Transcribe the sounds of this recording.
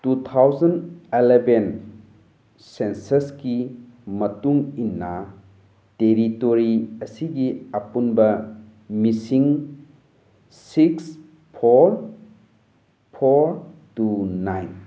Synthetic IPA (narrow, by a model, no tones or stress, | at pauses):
tut̪ʰawzɐneleben | sensɐski | mɐtuŋinːɐ | teɾitoɾiɐsiɡiɐpunbɐ | misiŋ | siks | pʰoɾ | pʰoɾtunajn